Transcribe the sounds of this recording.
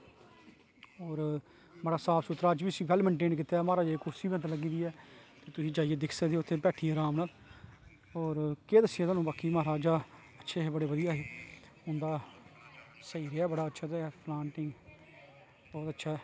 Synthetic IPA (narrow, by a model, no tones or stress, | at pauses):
ɔːɾ | məɾaːsaːpʰsʊt̪ːɾaːt͡ʃbiːsĩːpʰɛːlməɳʈeːnk̬ɪt̪aːmaːɾaːd͡ʒeeːkʊɾsiːbnt̪ːləɡiːd̪iːɛːt̪eːt̪ʊsĩːd͡ʒaːɪjeːd̪ɪkʰsəkd̪eːʊt̪ʰːeːpɛːʈʰiːeɾaːmnat̪ | ɔːɾkeːd̪əsːɪjẽːt̪ãːnũːbaːkiːmaːɾaːd͡ʒaː | ətːʃʰeːɦeːbəɽeːʋəd̪ɪjaːɦeː | ʊnd̪aː | səiːɾeɛːbəɽaːətːʃʰaːt̪epʰlãːɳʈɪ̃ | bɔːt̪ətːʃʰaː